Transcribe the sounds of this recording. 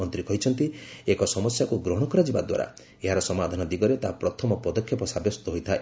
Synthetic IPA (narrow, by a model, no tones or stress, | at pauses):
ɔnt̪ɾikɔɦit͡ʃʰɔnt̪iekɔsɔmɔsjakuɡɾɔɽ̃ɔkɔɾad͡ʒiba̰d̪wa̰ɾa̰ | eɦaɾɔsɔmad̪ʱanɔd̪iɡɔɾet̪aɦapɾɔt̪ʰɔmɔpɔd̪ɔkʰjɔpɔsabjɔst̪ɔɦojt̪ʰa